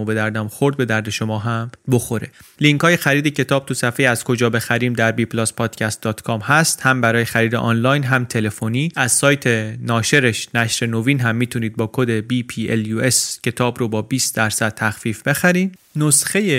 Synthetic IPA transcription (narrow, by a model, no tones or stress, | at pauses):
obe̞d̪æɾd̪æmxoɾd̪̚be̞d̪æɾd̪e̞ʃo̞mɒːɦæmbo̞xo̞ɾe̞liŋkʰɒːje̞xæɾiːd̪ecʰe̞t̪ʰɒːb̥̚t̪ʰusæfejiːæz̥kʰo̞d͡ʒɒːbe̞xæɾiːmd̪æɾbiːplospʰɒːd̪̥cʰæst̪̚d̪ɒːt̪ʰkʰɒːmhæst̪hæmbæɾɒːjexæɾiːd̪eʔɒːnlɒːjnɦæmt̪ʰe̞le̞foniːæzsɒːjt̪ʰe̞nɒːʃe̞ɾe̞ʃnæʃɾe̞noviːnɦæmːiːt̪ʰuniːd̪̚bɒːkʰod̪e̞biːpʰiːeljue̞scʰe̞t̪ʰɒːbɾobɒːbiːst̪d̪æɾsæd̪̥̚t̪ʰæxfiːfb̥e̞xæɾiːm | nosxe̞je